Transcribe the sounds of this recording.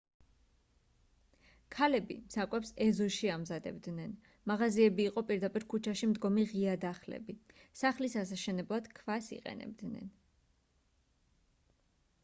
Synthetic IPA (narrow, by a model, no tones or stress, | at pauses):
kʰalɛbḭmsakʼwɛpsɛzɔʃiamzad̪ɛ̰bd̪nɛn | maʁaziɛbiːqʼɔpʼiɾd̪apʼiɾkʰut͡ʃʰaʃimd̪ɡɔmiʁiad̪aχlɛ̰bisaχlisas̬aʃɛnɛblˠad̪̥kʰvasḭqʼɛ̰nɛ̰b̚d̪nɛ̰n